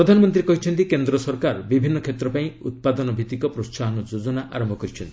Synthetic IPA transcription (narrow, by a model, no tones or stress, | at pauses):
iɾɔd̪ʱanɔmɔnt̪ɾiekɔɦit͡ʃʰɔnt̪̬ikend̪ɾɔsɔɾkaɾbibʱinːɔkʰet̪ɾɔpaĩut̪̚pad̪ɔnɔbʱit̪ikɔpɾossaɦɔnɔd͡ʒod͡ʒɔnaʔa̰ɾɔmbʱɔkɔɾit͡ʃʰɔnt̪i̥